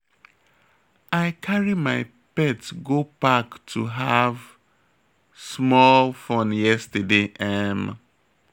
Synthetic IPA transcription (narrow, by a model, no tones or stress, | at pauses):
aɪkʰaɹimaɪ | pɛtɡobaktʰuɦav | smɔlfõnjɛstədeʔɛm